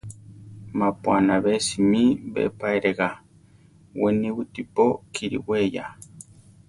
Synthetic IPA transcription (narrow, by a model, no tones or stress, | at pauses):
mapuanaβesimibḛpaeɾeɣa | weniβɨt̪ipokʰiɾḭweja̰